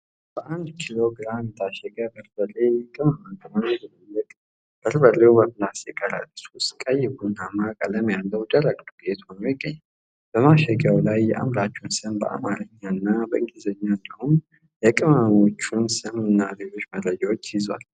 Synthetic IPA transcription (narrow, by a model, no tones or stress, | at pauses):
b̥əʔand̪kʰilo̞ɡɨɾamnt̪ʰaʃɛɡabəɾbəlejɛkʼɨmamək̪ʼɨmanobəməlːəkʼ | b̥əɾbəlːewbəmlasjɛkʼəɾa̰t̪ʼːsust̪kʼəjːɪɡunamakʼələmjalːəwd̪əɾəɡlɡet̪ho̞nojɪɡːəɲːam | b̥əmaʃɛɡjawlajːɛʔa̰mɾat͡ʃːuwnsɨmbə̰ʔa̰maɾəɲːanːabəʔɨŋɡizəɲːand̪əhum | jɛkʼɨmano̞t͡ʃːunsɨmɨnːabed͡ʒo̞t͡ʃːməd̪ɾəd͡ʒawot͡ʃːjɪzwa̰l